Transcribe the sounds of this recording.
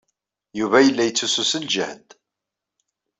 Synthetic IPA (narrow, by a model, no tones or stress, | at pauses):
juvæjəlːæjət͡sːususəld͡ʒəhd̪